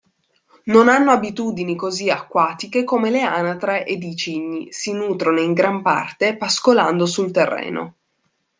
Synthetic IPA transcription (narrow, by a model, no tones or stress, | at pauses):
nonanːoabit̪uːd̪inikoziakːwaːt̪ik̟ekomeleanat̪ɾeʔed̪it͡ʃiɲːisinuːt̪ɾonoiŋɡɾampa̰rt̪epaskoland̪osult̪erːḛːno̰